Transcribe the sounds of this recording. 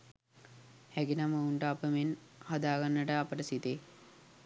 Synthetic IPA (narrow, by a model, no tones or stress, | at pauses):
hæɡinaməuɳʈəapəmenhad̪aːɡanːəʈəapəʈəsit̪eː